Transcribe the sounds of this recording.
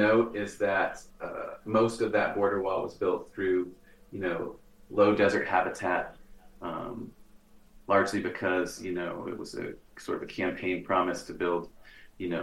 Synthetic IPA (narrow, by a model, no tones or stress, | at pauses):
oʊɪzðɨt̚ʌ̰moʊstʌvðɨt̚b̥ɔɹɾə˞wɔlˠwʌzbɪlˠt̪̚θɹʉjɨnoʊ | loʊdɛzə˞ʔ̚hæbɨtʰæt̚ʌ̃m | lɑɹd͡ʒlibɨkʰʌzjɨnoʊɪ̰ʔ̚wʌ̰z̥ɨ̰sɔ̰ɹɾʌvɨkʰæ̃mpʰẽɪ̃npʰɹ̥ɑmɨstʰɨbɪlˠd̥jɨnoʊ